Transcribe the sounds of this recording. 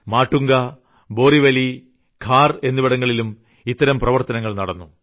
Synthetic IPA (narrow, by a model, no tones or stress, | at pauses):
maːʈːuŋɡɐ | bo̞ːriʋɐli | kʰaːre̞nːiʋiɽɐŋːɐɭilum | it̪ːɐɾɐmprɐʋɐrt̪ɐnɐŋːɐɭnɐɽɐnːu